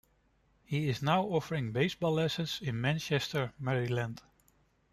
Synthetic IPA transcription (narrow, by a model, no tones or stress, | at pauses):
hiɪznaʊɔfəɹɪ̃ŋbeɪsbɔlˠːɛsə̃nsɪ̃nmæ̃nt͡ʃɛstə˞mɛɹilæ̃nd̥